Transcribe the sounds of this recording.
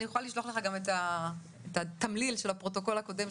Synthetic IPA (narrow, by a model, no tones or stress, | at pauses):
nijuχaliʃloχle̞χaɡameta | et̪at̪amlilʃelhapʁo̞toko̞lhako̞de̞m